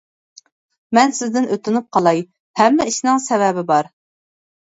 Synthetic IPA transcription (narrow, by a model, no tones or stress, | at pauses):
mɛnsɪzd̪ɪnʔøt̪ɪnɪp̚qʰɑlˠɑj | hɛmːɪiʃnɪŋsɛvɛbɪbɑɾ